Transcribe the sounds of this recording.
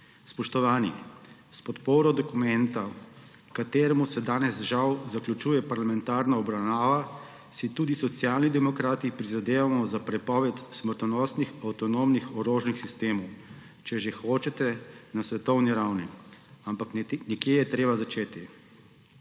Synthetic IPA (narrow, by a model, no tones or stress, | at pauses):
spɔʃt̪ɔʋaːnḭ | spɔt̪poːɾɔd̪ɔkumɛnt̪a | kat̪eːɾɛmusɛd̪aːnɛzʒawzaklʲut͡ʃuːjɛpaɾlamɛnt̪aɾnaɔbɾawnaːʋa | sit̪uːd̪isɔt̪sjalnid̪ɛmɔkɾaːt̪ipɾizad̪eːʋamɔzapɾɛpɔːʋɛt̪sməɾt̪ɔnɔsnixawt̪ɔnomnixɔɾoːʒnixsist̪eːmɔw | t͡ʃɛʒexot͡ʃɛt̪ɛnasʋɛt̪ɔwniɾawniampaknnɛkjeːjɛt̪ɾeːbazat͡ʃeːt̪i